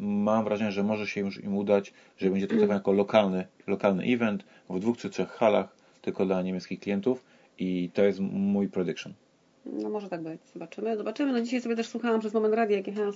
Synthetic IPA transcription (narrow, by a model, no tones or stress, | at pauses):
mamvɾʔaʐɛɲɛʐɛmɔʐɛɕɛjuʂḭmud̪at͡ɕ | ʐɛbɛɲd͡ʑɛt̪ɾɔk̪̚t̪ɔvanjakɔlɔkalnɘlɔkalnɘ̰ʔivɛnt̪ | vd̪vuxt̪ʂɨt̪ʂɛxːala̰x | t̪ɘlkɔd̪laɲemʲjɛt̪skʲixklʲijɛnt̪uf | it̪ɔjɛst̪mujpɾɛd̪ɘkʂɔ̰n | nɔmɔʐɛt̪aɡ̚bɘt͡ɕz̥ɔbat͡ʂɘmɘzɔbat͡ʂɘmɘnɔd͡ʑiɕajsɔbʲɛt̪ɛʂswuxawamʐɛɛsmɔmɛnt̪ɾad̪ʲjajakʲixa